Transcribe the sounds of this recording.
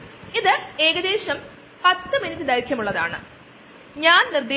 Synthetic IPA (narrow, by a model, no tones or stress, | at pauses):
iðɨe̞ːɡɐd̪e̞ːɕɐm | pɐt̪ːɨminitːɨd̪ɐɾkʰʲjɐmuɭːɐða̰ːɳɨ̰ | ɲaːnnird̪e